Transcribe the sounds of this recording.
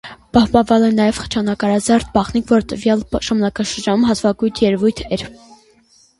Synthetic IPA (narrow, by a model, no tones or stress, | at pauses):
pɑhpɑnvɑlɛnɑjɛvχə̥t͡ʃʰɑnɑkɑɾɑzɑɾt̪̚ʰbɑχnikʰvɔɾt̪əvjɑlʃɑmnɑkɑʃəɾd͡ʒɑnumɦɑt̪ʰvɑɡujt̪ʰjɛɾvujt̪ʰɛɾ